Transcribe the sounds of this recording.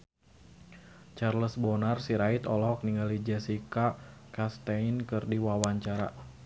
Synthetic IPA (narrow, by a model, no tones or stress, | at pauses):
t͡ʃarləsbɔnarsiɾait̪ɔlɔɦɔk̚niŋɡalid͡ʒɛsikakast̪ainkɨrdiwawaɲt͡ʃaɾa